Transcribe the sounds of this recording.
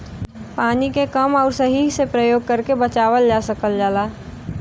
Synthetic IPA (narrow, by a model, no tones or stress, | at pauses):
paːnikekɐmɔːɾsɐɦisepɾəjoːɡ̚kəɾkebɐt͡ʃaːʋəld͡ʒaːsəkəld͡ʒaːlaː